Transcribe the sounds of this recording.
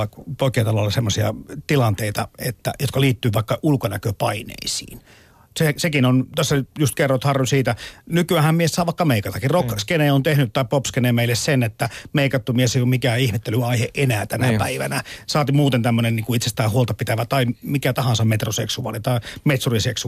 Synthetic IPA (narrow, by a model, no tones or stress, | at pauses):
ɑkpoˑikiɑt̪ɑlolːɑsemːosiɑ̰t̪ilɑnt̪eit̪ɑet̪ːæ̰jot̪kɑliːt̪ːyːʋɑikːɑʔulkonækøpɑinḛisḭːn | sesekinont̪æsːænytjust̪kerːot̪hɑrʋusiːt̪ænykyæhæmmiessɑˑːʋɑˑikːɑmeikɑt̪ɑkːirrokskeneːont̪ehnyt̪t̪ɑipopskeneːmeilːessenet̪ːæmeikɑt̪ːumieseijomikæːihmet̪ːelyɑiheʔenæːt̪ænæpæiʋæ̰næsɑːt̪imuːt̪ent̪æmːønenniːŋkuit̪sest̪æːhuolt̪ɑpit̪æʋæt̪ɑimikæt̪ɑhɑ̃nsɑmmet̪rosḛksuɑ̰ːlit̪ɑimet̪suriseksu